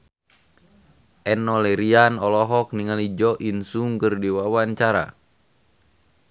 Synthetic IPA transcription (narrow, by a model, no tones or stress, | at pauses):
ʔɛnɔlɛɾianɔlɔɦɔk̚niŋalid͡ʒɔʔinsuŋkɨrdiwawaɲt͡ʃaɾa̰